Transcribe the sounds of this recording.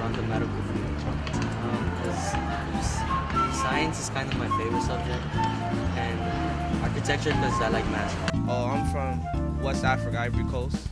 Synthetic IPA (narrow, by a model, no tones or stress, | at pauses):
ãʊ̃nðəmɛɾəkʊfə̃mɛ̃tʰɹʌ̰̃ | ʌ̃mkʰʌz̥ | saɪɨ̃nsɨz̥kʰãɪ̃ndʌvmaɪfeɪvəɹɨtsʌb̚d͡ʒɛk̚t | ɨ̃nʌ̃ | ɑɹkɨtʰɛk̚t͡ʃə˞nʌzaɪlaɪk̚mæsʔoʊãɪ̃ɱfɹʌ̃m | wɛstæfɹɨkəɪvɹikʰoʊs